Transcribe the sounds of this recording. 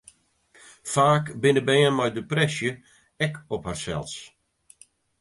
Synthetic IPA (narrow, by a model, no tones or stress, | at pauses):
faːkbɪnəbɛːənmajdəprɛsjə | ɛkɔpharsɛ̰lˠs